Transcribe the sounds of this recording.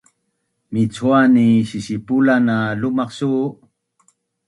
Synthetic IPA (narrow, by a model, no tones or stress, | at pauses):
mit͡suaniɕisipulanalumaqsu